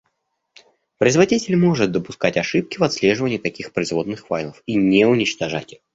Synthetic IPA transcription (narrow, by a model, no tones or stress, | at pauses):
pɾəɪzvɐdʲitʲɪlʲmo̞ʐɨt̪̚d̪əpʊskatʲɐʂɨp̚kʲɪvɐt̪slʲe̞ʐɨvənʲɪjt̪ɐkʲixpɾəɪzvo̞d̪nɨxfa̰jlˠəfinʲeʊnʲɪt͡ɕt̪ɐʐa̰tʲɪx